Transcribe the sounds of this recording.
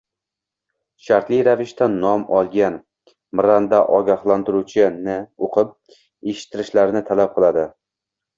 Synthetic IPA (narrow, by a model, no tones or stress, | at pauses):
ʃaɾt̪lɪjɾavɪʃt̪anːɒmɒlˠɡʲan | mɾand̪aʔɒɡʲahlˠant̪ɪɾut͡ʃʰɪnɪoqʰɨp̚ | eʃɪ̥t̪ʰːɪɾɪʃlaɾnɪt̪ʰalap̚qʰɨlˠad̪ɪ